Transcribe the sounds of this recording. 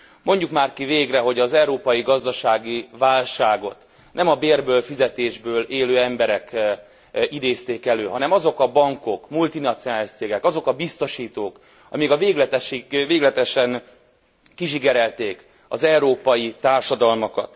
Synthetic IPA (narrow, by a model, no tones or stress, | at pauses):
mo̞ɲɟukmaːrkiveːɡrɛɦo̞ɟɒzɛuɾoːpɒjiɡɒzd̪ɒʃaːɡivaːlʃaːɡo̞̰t̪ | nɛmɒbeːrbøːlfizɛt̪eːʒbøːleːløːɛmbɛɾɛk | id̪eːst̪eːkɛløːɦɒnɛmɒzo̞kɒbɒŋko̞kmult̪inɒt̪sijonaːliʃt̪seːɡɛkɒzo̞kɒbist̪o̞ʃiːt̪oːk | ɒ̰mikɒveːɡlɛt̪ɛʃiveːɡlɛt̪ɛʃɛŋ | kiʃiɡɛɾɛlt̪eːk | ɒ̰zɛuɾoːpɒjit̪aːrʃɒd̪ɒlmɒkɒ̰t̪